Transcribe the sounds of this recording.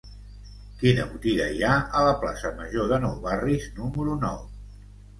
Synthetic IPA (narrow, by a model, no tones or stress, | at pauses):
kinə̰βut̪iɣəiaələpla̰səməʒoðənɔwβariznuməɾunɔw